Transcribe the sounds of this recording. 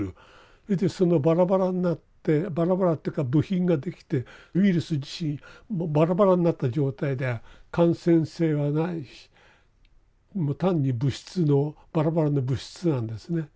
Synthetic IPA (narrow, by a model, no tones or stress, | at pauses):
ɯ | hed̪eso̞no̞baɾabaɾaɲʲinat̪ːe̞baɾabaɾat̪ːeɯkabɯ̟çĩŋɡad̪e̞kʲi̥t̪e̞iɾɯ̟sɨd͡ʑiɕĩŋmobaɾabaɾaɲinat̪ːad͡ʑo̞ːt̪aid̪e̞akãɰ̃sẽ̞ɰ̃se̞ːβanai̥ | mot̪ãɲ̟ːibɯ̟ɕi̥t͡sɨno̞b̥aɾabaɾano̞bɯ̟ɕi̥t͡sɨnãnd̪e̞sɨne̞